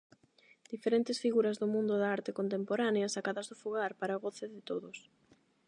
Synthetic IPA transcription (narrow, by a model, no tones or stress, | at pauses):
d̪̥ifeɾent̪ɪsfiɣuɾɐzðʊmũnd̪ʊðaaɾt̪ɪkont̪̬empoɾaneɐsakaðɐzðʊfuɣaɾpaɾaɣoθɪðɪt̪oðʊs